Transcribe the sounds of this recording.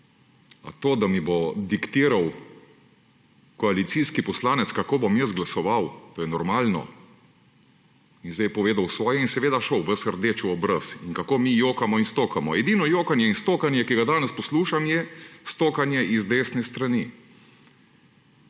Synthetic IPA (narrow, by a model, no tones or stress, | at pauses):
a̰t̪oːd̪amibod̪ikt̪iːɾaw | kɔalit̪siskipɔslaːnɛt̪skakoːbomjəs̬ɡlasɔʋawt̪oːjɛnɔɾmaːlnɔ̰ | inzd̪ɛjpɔʋeːd̪awsʋɔːjɛinsɛʋeːd̪aʃɔwʋəsəɾd̪eːt͡ʃuɔbɾəsinkakoːmijoːkamɔinst̪oːkamɔɛd̪inɔjoːkanjɛinst̪oːkanjɛkiɡad̪aːnɛspɔsluːʃamjɛst̪oːkanjɛʔizd̪eːsnɛst̪ɾani